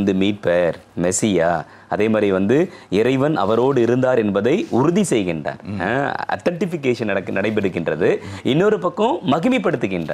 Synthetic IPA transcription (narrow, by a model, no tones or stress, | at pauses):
nd̪ɯmiːʈ̚peɾ | mɛsɪjaː | ɐðeːmaːd̪riʋɐnd̪ɯɪɾɐɪʋɐnʔɐ̰ʋɐɾoːɽɯɪɾɯnd̪aːɾɛnbɐðɐɪʊɾʊðisɛjɣɪndra̰ːɾɐ̰ʈːɐɳʈɪfɪk̬ːeːʂɐnɐɽɐkːnɐɽɐɪp̬ːɐɽɯkːɪndrɐðɯɪnːoɾɯpɐkːõmɐɣɪmipːɐɽɯt̪ːɯkːɪndra̰ː